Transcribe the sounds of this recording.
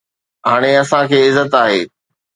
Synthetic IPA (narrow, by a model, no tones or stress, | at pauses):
ɦaːɽ̃eɐsãkʰeːɪzːət̪aːɦeː